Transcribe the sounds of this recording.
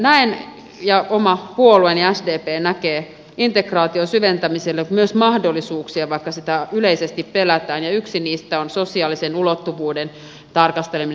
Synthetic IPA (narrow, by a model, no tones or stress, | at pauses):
næin | jɑomɑpuolueniæsdeːpeːnækeː | int̪ekrɑːt̪iosyʋent̪æmiselːemyøsmɑhdolːˑisuːksiɑʋɑikːɑsit̪æyleisest̪ippelæt̪æːnjɑyksiniːst̪æonsosiɑːlisenulot̪ːuʋuːden | t̪ɑrkɑst̪elemin